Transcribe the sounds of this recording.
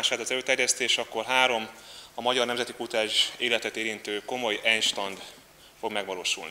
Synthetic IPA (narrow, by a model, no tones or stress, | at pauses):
aʃaːt̪ɒzɛløːt̪ɛrjɛst̪eːʃɒkːo̞rɦaːɾo̞mɒmɒɟɒrnɛmzɛt̪ikut̪aːʒeːlɛt̪ɛt̪eːɾint̪øːko̞mo̞jɛnʃt̪ɒnd̪ | fo̞ɡmɛɡʋɒloːʃṵlni